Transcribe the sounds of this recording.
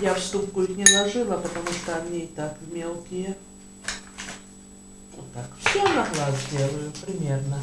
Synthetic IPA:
jafst̪up̚kʊixnʲɪlˠɐʐɨlˠəpət̪ɐmuʂt̪oɐmnʲeɪt̪akvmʲelˠkʲɪjə | ot̪ːakfsʲonɐxlˠazd̪ʲelˠəjʊpɾʲɪmʲernə

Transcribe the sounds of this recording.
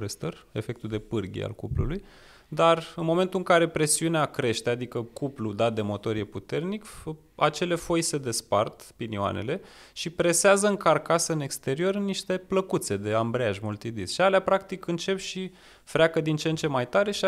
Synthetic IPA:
est̪əre̞fe̞k̚t̪ud̪e̞pɨrɡʲḭa̰lkuplṵluj | d̪arɨnmo̞me̞nt̪uɨŋkaɾe̞pɾe̞siuneakɾe̞ʃt̪ead̪ikəkuplud̪at̪̚d̪e̞mo̞t̪o̞ɾje̞put̪e̞rnik | a̰t͡ʃe̞le̞fo̞jse̞d̪e̞spa̰rt̪pinioa̰ne̞̰le̞ʃipɾe̞seazəɨŋkarkasəɨne̞kst̪e̞ɾio̞rniʃt̪e̞pləkut̪se̞d̪e̞ambɾeaʒmult̪id̪isʃialeapɾakt̪ikɨnt͡ʃe̞pʃi | fɾʲeakəd̪int͡ʃent͡ʃe̞majt̪aɾe̞ʃi

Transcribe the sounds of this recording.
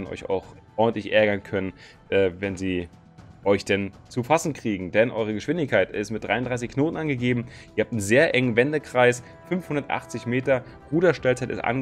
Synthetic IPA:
dnɔ̰ʏça̰ʊxʔɔɐdn̩tlɪçʔɛɐɡɐnkʰœnən | ʔɛːvɛnziː | ʔɔʏçd̥ɛnt͡sufasn̩kʁ̥iːɡŋ̩dɛnʔɔʏʁ̞əɡəʃv̥ɪndɪçkʰaɪtɪstmɪt̚d̥ʁaɪʊndʁaɪs̬ɪçkʰnoːtn̩ʔanɡəɡeːbm̩ʔiːɐhaːp̚tn̩zeːɐʔɛŋənvɛndəkʁ̥aɪs | fʏnfhʊndɐtʔa̰χt͡sɪçmeːtɐ | ʁuːdɐʃtɛlt͡saɪtɪstʔa̰n

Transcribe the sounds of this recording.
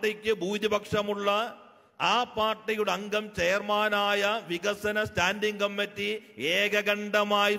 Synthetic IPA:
ʈːikʲːɨbʱuːd̪ibɐkʂɐmuɭːɐ | aːpaːrʈːijuɽeɐŋɡɐmt͡ɕejrmaːnaːjɐʋiɡɐsɐnɐstaːndiŋɡɐmpɐtːieːɡɐɡɐɳɖɐmaːi

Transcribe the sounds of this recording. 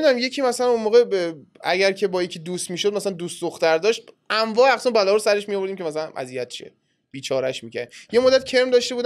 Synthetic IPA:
d̪unamje̞cʰiːmæsælænunmoːɣeæ̰ɟæɾcʰe̞bɒːjecʰiːd̪uːst̪miːʃod̪mæsælænd̪uːst̪d̪oxt̪æɾd̪ɒːʃt̪̚æɱvɒːæxsunbælɒːɾosæɾe̞ʃmijovoɾd̪imcʰemæs̬ælænʔæ̰zijæt̪̚t͡ʃʰiḛ | b̥iːt͡ʃʰɒːɾæʃmicʰæ̰ɾd̪je̞mod̪ːæt̪̚cʰe̞ɾmd̪ɒʃt̪e̞buːd̪

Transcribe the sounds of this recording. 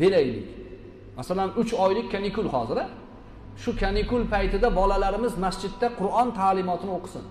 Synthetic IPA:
b̥̪e̞lajlɪ̰kʲ | masalanʊt͡ʃɒjlɪkʲkʰʲːanɪkʊlˠhɒzɪɾa | ʃʊkʲʰanɪkʊlˠpʰajt̪ʰɪd̪abɒlalaɾɪmɪzmasd͡ʒɪd̪ːaqʰʊɾɒnt̪ʰaːlɪmɒt̪ʰɪnɪoqʰɨ̥sɪ̰n

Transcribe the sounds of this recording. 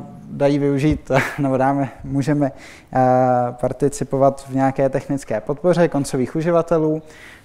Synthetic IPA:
dajiːvɪuʒiːt̪nɛbo̞daːmɛmuːʒɛmɛ | paɾt̪ɪt͡sɪpo̞vat̪vɲɛakɛːt̪ɛxnɪt͡skɛːpo̞t̪̚po̞r̝ɛko̞nt͡so̞viːxuʒɪvat̪ɛluː

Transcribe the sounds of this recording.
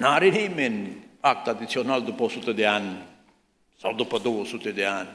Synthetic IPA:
naːɾinimenpak̚t̪at̪it͡ʃʰonald̪uposut̪ed̪jan | sɐd̪upɐd̪oʋosut̪ed̪ejan

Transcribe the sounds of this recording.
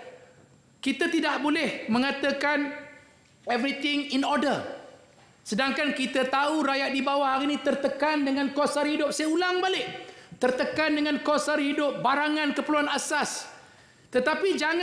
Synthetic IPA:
kit̪ət̪idaʔbolɛhmə̃ŋãt̪əkan | ɛvɾit̪ɪŋinɔdər | sədaŋkankit̪ət̪auɾajaʔ̪̚dibawahaɾinĩt̪ərt̪əkandəŋãnkɔsarhidʊp̚sajaulaŋbalɪʔt̪ərt̪əkandəŋãnkɔsarhidʊp̚baɾaŋãnkəpəluanasas | t̪ət̪apid͡ʒaŋ

